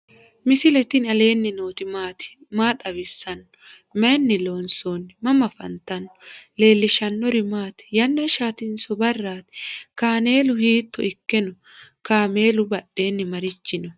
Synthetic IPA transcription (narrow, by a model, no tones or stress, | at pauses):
mɪsɪlɛt̪ɪnɐle̞ːnːɪnoːt̪ɪmaːt̪ɪ̥ | maːt̪ʼɐbɪsːɐnː | mɛːnːɪlo̞ːnsoːnːɪmɐmɐfɐ̰nt̪ɐnːʊle̞ːlːɪʃɐnːɔɾɪmaːt̪jɐnːɐʃaːt̪ɪnsɔbɐrːaːt̪ɛ̥kaːne̞ːlʊhiːt̪ːɔɪkːɛnʊ | kaːme̞ːlʊbɐɗe̞ːnːɪmɐɾɪt͡ʃːɪnʊ